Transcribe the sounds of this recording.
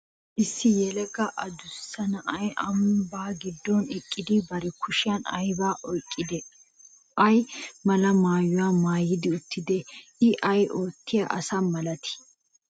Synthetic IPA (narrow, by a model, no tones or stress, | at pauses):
ʔɪsːɪjɛlɛɡɐʔɐd̪ʊsːɐnɐʔɐjɐmbaːɡɪd̪ːɔnɪkʼːɪd̪ɪbɐɾɛkʰʊʃɪjɐnɐ̰jbaːʔɔjkʼːɪd̪ɛ | ɐjmɐlɐmaːjʊwaːmaːjːɪd̪ɪʊt̪ːɪd̪ɛɪʔɐjʔoːt̪ːɪjɐʔɐsɐmɐlɐt̪ɪ̥